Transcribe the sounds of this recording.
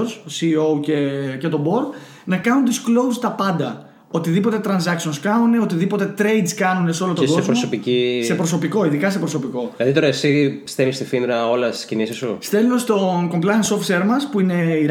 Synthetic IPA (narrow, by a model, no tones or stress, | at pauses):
ɾsosiːo̞cecet̪o̞bo̞ɾd̪ | nɐkɐnunt̪isklo̞ust̪ɐpɐnd̪ɐ | o̞t̪iðipo̞t̪et̪ɾɐnsɐksionskɐnuneot̪iðipo̞t̪e̞t̪ɾe̞jd̪skɐnune̞so̞lot̪oɡo̞zpɾosopicisepɾo̞so̞piko̞iðikɐs̬e̞pɾo̞so̞piko̞ilɐðit̪oɾɐesist̪elist̪ifind̪ɾɐo̞lɐst̪iscinisisṵst̪e̞lunest̪oko̞mplɐjɐnso̞ft̪seɾmɐspuine̞iɾ